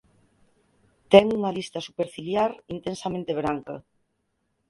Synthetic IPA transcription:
t̪eŋuŋalist̪asupeɾfiljaɾint̪ensamẽnt̪eβ̞ɾaŋka

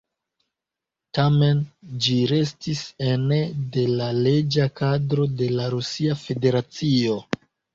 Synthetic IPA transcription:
tame̞nd͡ʒiɾe̞stisenede̞lale̞d͡ʒakadɾo̞de̞laɾusiafe̞de̞ɾat͡sio̞

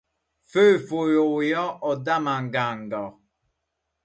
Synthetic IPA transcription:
føfojojɔʔɔdamaŋɡaŋɡɔ

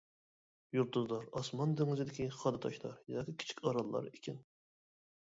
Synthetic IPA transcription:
juɾt̪ːuzlˠɑɾɑsmɑnd̪yŋɪzɪd̪ɪkʲʰiχɑd̪ɑt̪ʰɑʃlˠɑ̰ɾjɑkʲikʲʰi̥t͡ʃʰi̥kʲʰɑɾɑlˠːɑ̰ɾikʲʰin

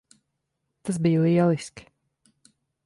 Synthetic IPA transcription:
t̪as̬biːjliɛlˠisk

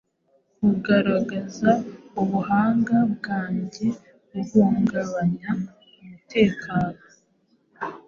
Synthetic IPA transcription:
uɡaɾaɡazauβuɦaːŋɡabɡaːɲɟe | βuɡuːŋɡaβaɲa | umute̞ːkʰaːno

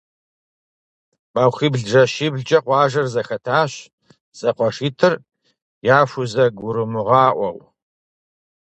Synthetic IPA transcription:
bawxiːbɮʒɐʃiːbɮd͡ʒʼɐqʷɑːʒɐrzɐxɐtʰaːɕ | z̥ɐqʷɔʂiːtʰɨr | jaːfʷʊzɐɡʷʊɾɨmɨʁɑːʔʷɔw

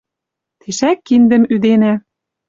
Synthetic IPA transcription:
t̪ʰeʃækːind̪ɘ̆myd̪enæ

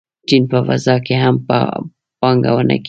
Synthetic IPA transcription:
t͡ʃinpava̰zakɛɦampa̰ | paŋɡa̰wana̰k

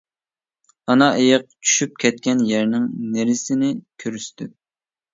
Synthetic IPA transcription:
ɑnɑʔejɨq̚t͡ʃʰy̥ʃyp̚kʲʰɛt̪̚kʲɛnjæɾnɪŋneɾɪsɪnɪkʲʰøɾyʃt̪ɪ

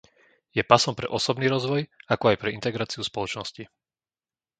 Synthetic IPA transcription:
jɛpasɔmpɾɛ̰ʔɔsɔbniːɾɔzʋɔjakɔajpɾɛint̪ɛɡɾaːt͡siuspɔlɔt͡ʃnɔsci

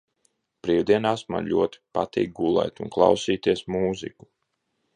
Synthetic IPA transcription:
pɾiːwd̪iɛnasma̰lʲuɔt̪i̥pa̰t̪ḭːk̚ɡulˠɛ̰jt̪unklˠɑ̰wsiːt̪iɛsmuːzḭku̥

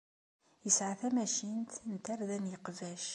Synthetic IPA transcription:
jəsʕaθæmæʃint̪nt̪æɾðænjəqvæʃ

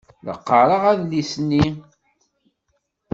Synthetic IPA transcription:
lə̰qːəɾˤəʁæðlisnːi

